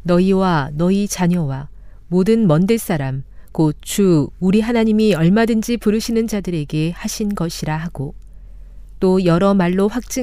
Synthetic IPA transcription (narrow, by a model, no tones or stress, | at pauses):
nʌiwanʌit͡ɕaɲʌwa | modɯnmʌndɯɭs͈aɾamkot͡ɕuːɾiɦanaɲimiʌɭmadɯnd͡ʑipuɾɯɕʰinɯnd͡ʑadɯɾe̞ɡe̞haɕʰinɡʌɕʰiɾaɦaɡo | t͈ojʌɾʌmaɭːoɸwak̚t͡ɕ͈ɯ